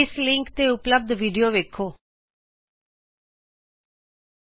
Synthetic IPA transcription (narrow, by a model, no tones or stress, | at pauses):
ɪslɪŋkt̪eːʊpləb̚d̪ʋiːɖijoːʋeːkʰoː